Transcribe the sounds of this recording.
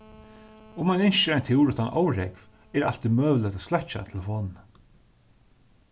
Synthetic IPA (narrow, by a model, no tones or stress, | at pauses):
ʊmanɪnʃɪajnt̪ʰɪwɾʊt̪ʰanʔo̰wɾɛkv̥ | ɛɾa̰l̥t̪imœːvlət̪aslaht͡ʃa̰t̪ʰɪlfɔn